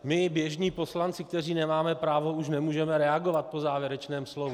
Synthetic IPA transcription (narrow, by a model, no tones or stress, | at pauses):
mɪbjɛʒɲiːpo̞slant͡sɪk̚t̪ɛr̝iːnɛmaːmɛpɾaːvo̞uʃnɛmuːʒɛmɛɾɛaɡovat̪̚po̞zaːvjɛɾɛt͡ʃnɛːmslovu